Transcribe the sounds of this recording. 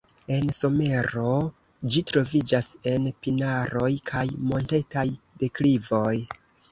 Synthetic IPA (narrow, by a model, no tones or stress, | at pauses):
e̞nso̞me̞ɾo̞ | d͡ʒitɾo̞vid͡ʒase̞npinaɾo̞jkʰajmo̞nte̞taj | de̞klivo̞j